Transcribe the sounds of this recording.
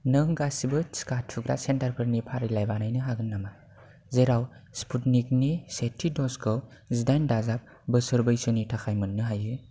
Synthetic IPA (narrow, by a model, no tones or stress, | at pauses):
nɯŋɡasibɯsi̥katʰɯɡɾa̰sentaɾpʰɯɾnipʰaɾilajbanajnɯɦaɡɯnːama | zeɾawspʰutnik̚nisetʰːidɔskʰɯzidajndazap̚ | bɯsɯɾbɯjsɯnitʰaxʰajmɯnːɯɦajɯ